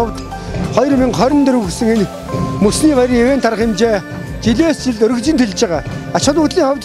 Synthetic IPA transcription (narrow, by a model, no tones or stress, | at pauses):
ɔwt̪ | χɔjɞ̆rmiŋχœɾʲɪ̆nt̪ɵɾɵ̆ɣɵ̆ksɘ̆ŋen | mɵsniːpajɾieweːnt̪ʰaɾə̆χɪmt͡ɕeː | t̪ʰiɮeːst͡ɕɪɮt̪ɵɾɵ̆ɣt͡ɕɪ̆nt̪ʰeɮt͡ɕeʁaːat͡ɕʊ̆ɮʊːt̪ɮiːŋχɔwʲt̪